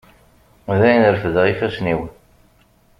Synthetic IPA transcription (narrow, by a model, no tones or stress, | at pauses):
ðæjnəɾəfəðʁifæsniwən